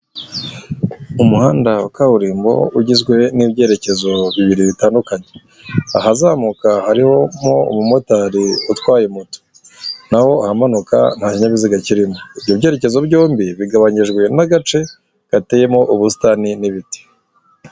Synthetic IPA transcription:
umuhaːndakahuɾiːmbo̞̰uɟizɡwe̞nibɟe̞ːɾe̞ce̞zo̞βiβiɾiβitaːndukaɲe̞ | ahazaːmukahaɾiho̞mo̞ṵmumo̞taɾiutwaːjemuto̥ | naho̞ahamanuka̰n̥haːciɲaβiziɡaciɾimoibjobɟe̞ːɾe̞ce̞zo̞bɟoːmbiβiɡaβaɲiʒɡwe̞naɡat͡ʃe̞ | ɡ̥ateːje̞mo̞ʔuβusi̥taniniβiti̥

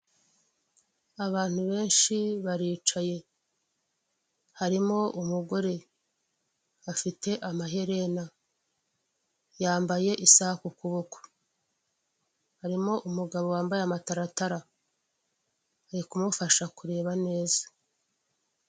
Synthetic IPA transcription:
aβaːn̥huβe̞ːnʃiβaɾiːt͡ʃaje̞ | haɾimo̞umuɡo̞ɾe̞ | afite̞ʔamaɦe̞ɾe̞na | jaːmbaje̞ʔisahakukuβoko̥ | haɾimo̞ʔumuɡaβo̞waːmbajeamataɾataɾa | aɾikumufaʃakuɾe̞ːβane̞ːzḁ

